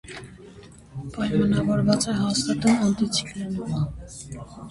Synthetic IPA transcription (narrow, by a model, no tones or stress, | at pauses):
pɑjmɑnɑɡɔɾvɑt͡sɛɦɑst̪ɑt̪umɑnt̪it͡sʰikɾɛnumɑ